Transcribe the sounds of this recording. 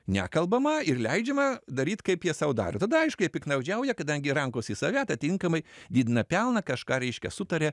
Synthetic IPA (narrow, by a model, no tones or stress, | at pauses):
nʲæ̰ːkɐlˠbɐmɐɪrlʲɛɪd͡ʒʲɛmɐd̪ɐɾʲiːt̪kɐɪpjiɛsɐʊd̪ɑ̰ːɾʲot̪ɐd̪ɐɐɪʃkʊiɛpʲɪknɐʊd͡ʒʲɛʊjɛkɐd̪ɐŋʲɡʲɪɾɐŋkoːsʲɪsɐʋʲæːt̪ɐt̪ʲɪŋkɐmɐɪd̪ʲiːd̪ʲɪnɐpʲɛlˠnɐkɐʃkɑːɾʲɛɪʃʲkʲɛsʊt̪ɐɾʲɛ